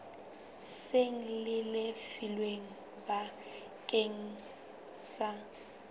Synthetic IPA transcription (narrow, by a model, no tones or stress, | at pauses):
seŋ̩lɪlɪfilweŋ̩ | ba | kʼeŋ̩ | sa